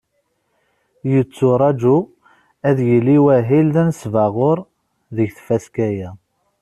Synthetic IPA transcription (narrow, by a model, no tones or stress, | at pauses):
jət͡sːʊɾˤɑd͡ʒu | æðjəlːiwæɦilðænsvæʁʊɾˤ | ðəʝθfæskæjæ